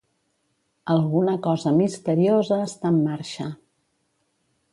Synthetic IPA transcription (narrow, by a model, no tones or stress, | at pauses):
əlˠɣunəkɔzəmist̪əɾiozəːst̪amːaɾʃə